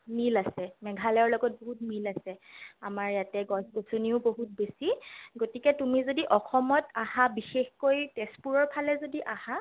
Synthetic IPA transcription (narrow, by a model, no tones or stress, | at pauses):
milasɛmɛɡʱalɛɔɹlɔɡɔt̚boɦut̚milasɛamaɹjatɛɡɔsbosuniʊboɦut̚besiɡotikɛtumizodiʔɔxɔmɔtaɦabixexkojtespuɹɔɹpʰalɛzodiʔaha